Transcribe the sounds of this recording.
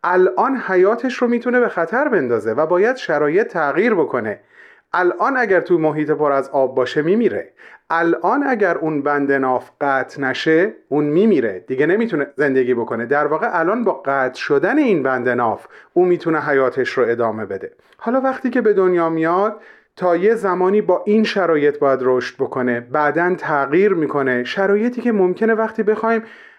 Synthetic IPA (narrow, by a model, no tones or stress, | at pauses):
ʔælʔɒːnhæjɒːt̪ʰe̞ʃromiːt̪ʰune̞be̞xæt̪ʰæɾbe̞nd̪ɒːze̞væbɒːjæd̪̥ʃæɾɒːje̞t̪ʰːæɣiːɾbo̞kʰo̞ne̞ | ʔælʔɒːnæɡɟæɾt̪ʰumoɦiːt̪ʰe̞pʰoɾæzɒːb̚ːɒːʃe̞miːmiːɾe̞̰ʔælʔɒːnæɟæɾuːnbænd̪e̞nɒːfɢæːt̪ʰnæʃe̞uːnmiːmiːɾe̞̰d̪̥iɟe̞nemiːt̪ʰune̞ze̞nd̪e̞ɡiːbo̞kʰo̞ne̞d̪æɾvɒːɣeʔælɒːnbɒːɢæːt̪ʰʃo̞d̪æne̞iːnbænd̪e̞nɒːfuːmiːt̪ʰuneɦæjɒːt̪ʰe̞ʃɾoe̞d̪ɒːme̞be̞d̪e̞ | hɒːlɒːvæχt̪iːce̞be̞d̪o̞njɒːmijɒd̪̥̚ | t̪ʰːɒːje̞zæmɒːniːbɒːʔinʃæɾɒːje̞t̪̚ʰbɒːjæd̪roʃt̪̚bo̞kʰo̞ne̞bæd̪ænt̪ʰæɣiːɾmiːkʰo̞ne̞ʃæɾɒːje̞t̪ʰiːcʰe̞mo̞mcʰe̞ne̞væχt̪ʰiːbe̞xɒːim